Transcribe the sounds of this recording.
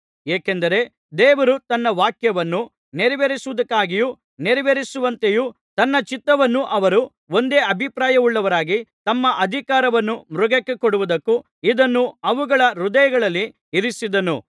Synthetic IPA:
eːkend̪ɐɾe̞ | d̪eːʋɐɾut̪ɐnːɐʋaːkjɐʋɐnːu | neɾiʋeɾisuʋud̪ɐkːaːɡiju | neɾiʋeɾisuʋɐnt̪e̞ju | t̪ɐnːɐt͡ʃit̪ːɐʋɐnːuʔɐʋɐɾu | o̞nd̪e̞ːɐbʱipɾaːjɐʋuɭːɐʋɐɾaːɡit̪ɐmːɐʔɐd̪ʱikaːɾɐʋɐnːumɾuɡɐkːekoɽuʋud̪ɐkːu | id̪ɐnːuɐʋuɡɐɭɐɾud̪ɐjɐɡɐɭɐlːi | iɾisid̪ɐnu

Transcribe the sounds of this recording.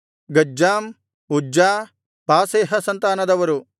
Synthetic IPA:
ɡɐd͡ʒaːm | ud͡ʒaː | paːseːɦɐsɐnt̪aːnɐd̪ɐʋɐɾu

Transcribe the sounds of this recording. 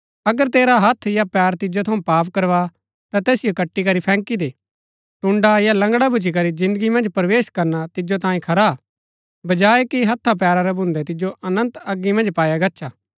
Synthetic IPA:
ɐɡəɾt̪eːɾaɦɐt̪ʰjapɛːɾt̪ɪd͡ʒot̪ʰɐũpaːpkɐɾʋa | t̪ãt̪ɛːsijokɐʈːikɐɾipʰɛ̃ːŋkid̪eː | ʈʊ̃ɳɖajalɐ̃ŋɡɽabʱʊt͡ʃik̬ɐɾizɪ̃nd̪əɡimɐ̃nd͡ʒpɐɾʋeːʃkɐɾnat̪ɪd͡ʒot̪ãːĩkʰɐɾa | bɐd͡ʒaːekiɦɐt̪ʰːap̬ɛːɾaɾɛbʱʊ̃nd̪ɛt̪ɪd͡ʒoʔɐnə̃nt̪ɐɡːimɐ̃nd͡ʒpaːjaɡɐtːʃʰaː

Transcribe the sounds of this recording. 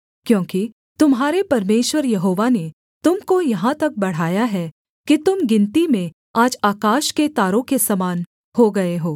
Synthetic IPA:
kjõːki | t̪ʊmɦaːɾepɐɾmeːʃwəɾjɐɦoːʋane | t̪ʊmkojɐɦãt̪ɐk̚bɐɽ̤aːjaɦɛ | kit̪ʊmɡɪ̃nt̪imẽ | aːd͡ʒaːkaːʃket̪aːɾõkesɐmaːn | hoɡɐeɦoː

